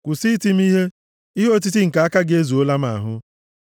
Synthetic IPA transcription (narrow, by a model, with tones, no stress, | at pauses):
kʷʊ˨si˦ti˦m̩˦i˦ɦe˦ | i˦ɦo˦ti˦ti˦ŋ̩˨ka˨˦a˦ka˦ɡe˦zu˨o˦la˦m˦a̰˨ɦʊ˦